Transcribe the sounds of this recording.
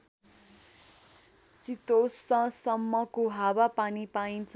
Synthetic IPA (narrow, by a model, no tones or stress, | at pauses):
sit̪osːʌ̃sʌmːʌkoɦabapanipaint͡s